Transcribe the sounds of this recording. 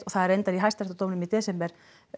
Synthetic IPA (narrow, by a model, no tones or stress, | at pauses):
t̪ɔɣθaðɛɾejnt̪aɾiɦajst̪aɾ̥t̪at̪owmnʏmit̪ɛːsɛmpɛɾ̥